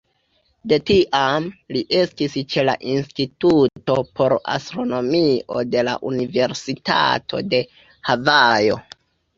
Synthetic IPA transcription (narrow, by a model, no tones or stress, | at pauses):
de̞tiʔamliʔe̞stist͡ʃe̞la̰ʔinstituto̞pʰo̞ɾa̰stɾo̞no̞mio̞de̞la̰ʔunive̞ɾsita̰tʰo̞̰de̞ | havajo̞̰